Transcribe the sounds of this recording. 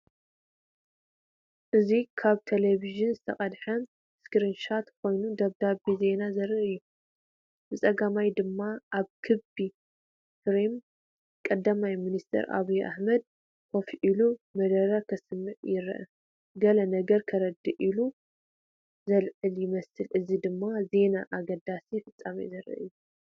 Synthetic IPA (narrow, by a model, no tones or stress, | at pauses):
ʔɨzikʰaβt̪ʰeleβiʒɨnzɨt̪ʰɐ̰χʼɐd̪ħɐn | skɾinʃat̪kʰo̞jnud̪ɐβd̪abize̞nazɐɾɨɨjːu | bɨt͡sʼɐɡamajd̪ɨmːaʔaβkʰɨbi | kɾim | kʼɐd̪ːamajminist̪ʰɐ̰ɾʔa̰βujʔa̰ħmɐd̪̚ | kʰofiʔilumɐd̪ɐɾakʰɐsɨmːɨʕjɪɾɐ̰ʔɐ̰ | ɡɐlɐnɐɡɐɾkʰɐɾɐd̪ːiʔilu | zɐlʕɨljɪmɐsɨlɨzid̪ɨmːaze̞naʔaɡɐd̪asifɨt͡sʼːamḭzɐɾɐ̰ʔɨ̰jːu